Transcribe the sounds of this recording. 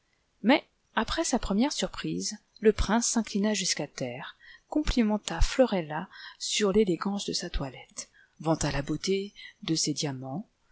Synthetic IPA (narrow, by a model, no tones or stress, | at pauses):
mɛ | apχɛsapχəmjɛʁsyʁpχiz | ləpχɛ̃sːɛ̃klinaʒyskat̪ɛːʁkɔ̃plimɑ̃t̪aflɔʁɛlasyʁleleɡɑ̃sd̪əsat̪walɛt̪ | vɑ̃t̪alabot̪ed̪əsed̪jamɑ̃